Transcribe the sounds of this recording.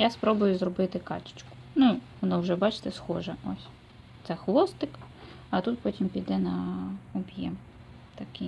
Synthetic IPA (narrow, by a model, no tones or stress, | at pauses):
jaspɾɔbʊjʊzrɔbɪt̪ɪkɑ̰t͡ʃɪ̥t͡ʃkʊ̥nu | nɔwʒɛbɑt͡ʃɪ̥t̪ɛsxɔʒɛɔsʲ | t̪sɛxʋ̪ˠɔst̪ɪk | ɐt̪ut̪pɔtʲimpʲijd̪ɛnɐɔbʲjɛ̰m | t̪ɐkɪ